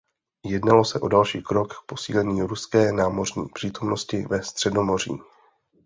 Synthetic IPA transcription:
jɛdnalo̞sɛʔo̞dalʃiːkɾo̞kk̚po̞sḭːlɛɲiːɾuskɛːnaːmo̞r̝ɲḭːpr̥iːt̪o̞mno̞scɪvɛst̪r̝̥ɛdo̞mo̞r̝ḭː

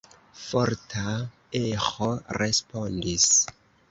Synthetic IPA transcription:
foɾta | exoɾespondis

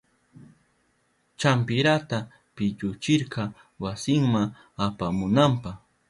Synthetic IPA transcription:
t͡ʃampɪɾat̪a | pɪʎʊt͡ʃɪɾqɑ | wasɪŋma | apamʊnampɑχ

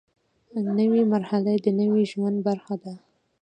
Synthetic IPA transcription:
nəwimaɾhalad̪ənəwiʒwand̪̚baɾxad̪a

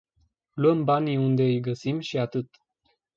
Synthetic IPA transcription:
luəmbaniund̪e̞ɨjɡəsimʃiat̪ɨt̪

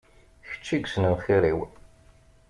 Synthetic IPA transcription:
çə̥t͡ʃːiɡʷsnənχiɾiw

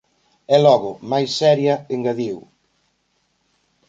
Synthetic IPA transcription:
ɛlɔɣʊmajsːɛɾjɐeŋɡɐðiw

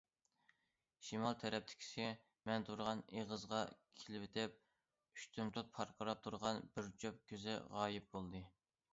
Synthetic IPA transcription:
ʃimɑlˠt̪ʰɛɾɛp̚t̪ʰɪ̥kʲʰi̥sɪ | mɛnt̪ʰuɾʁɑneʁəzʁɑkʲʰelɪpɪt̪ʰɪp̚ | yʃt̪ʰymt̪ʰut̪̚pʰɑɾqʰəɾɑp̚t̪ʰuɾʁɑnbɪɾt͡ʃʰøp̚kʲʰøzɪ̰ʁɑːjɪp̚bolˠd̪ɨ

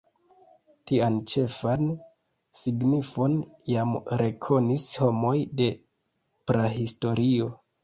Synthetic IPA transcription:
tiant͡ʃe̞fan | siɡnifo̞njamɾe̞kʰo̞nisho̞mo̞jde̞ | pɾaɦisto̞ɾio̞

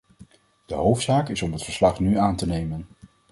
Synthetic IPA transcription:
d̥əɦowftsaːkɪsɔmɦətfəɹslɑχnyaːntənejmən

